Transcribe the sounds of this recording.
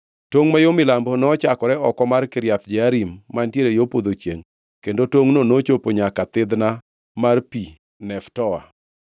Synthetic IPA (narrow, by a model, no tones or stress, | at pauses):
toŋmajomɪlambonɔːt͡ʃakɔɾɛɔkɔmarkɪɾjat̪d͡ʒɛaɾimːantjeɾejopod̪ot͡ʃjeŋ | kendotoŋnonot͡ʃopoɲakat̪ɪd̪na | marpi | nɛftɔwa̰